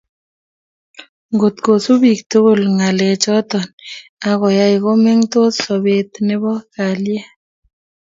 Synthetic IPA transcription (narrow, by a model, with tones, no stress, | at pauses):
ŋɡo˨tko˨su˦βi˨k̚to˦ɣo˨lŋa˨le˨t͡ʃɔ˦tɔ˨na˦ɣɔ˨ja˦i˨ko˦me˦ŋto˦sɔ˨βe˦tne˦βɔ˦ka˨ljɛ˦